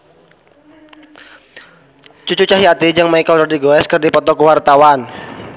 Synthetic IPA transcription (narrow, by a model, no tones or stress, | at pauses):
t͡ʃut͡ʃut͡ʃaɦiat̪id͡ʒaŋmaikadɔrdiɡoɛskərdipɔt̪ɔkəwart̪awan